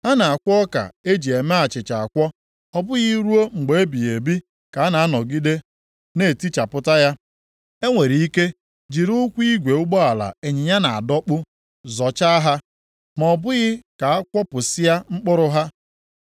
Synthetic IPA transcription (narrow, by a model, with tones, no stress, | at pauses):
a˦na˨a˨kʷɔ˦ka̰˨e˦d͡ʒi˨e˨me˦a˨t͡ʃɪ˨t͡ʃa˨a˨kʷɔ˦ | ɔ˦bʊ˦ɣɪ˦ɾu˦o˦ŋ͡m̩˨ɡ͡be˨e˦bi˨je˨bi˦ | ka˨a˦na˨a˦nɔ˨ɡi˦de˦ | ne˨ti˦t͡ʃa˨pʊ˦ta˦ja˦ | e˦ŋʷe˨ɾi˨i˦ke˦ | d͡ʒi˨ɾʊ˦kʷi˦ɡʷe˨ʊ˦ɡ͡bɔ˦a˨la̰˨e˨ɲɪ˨ɲa˦na˨a̰˨dɔ˦k͡pʊ˦ | zɔ˨t͡ʃa˦a˦ɦa˦ | mɔ˨bʊ˦ɣɪ˦ka˨a˦kʷɔ˦pʊ˨sɪ˦ja˦ŋ͡m̩˦k͡pʊ˦ɾʊ˦ɦa˦